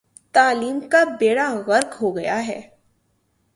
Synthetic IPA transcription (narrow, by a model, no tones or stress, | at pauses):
t̪aːliːmkabeːɽaɣɐɾkɦoɡɐjaɦɛ̰ː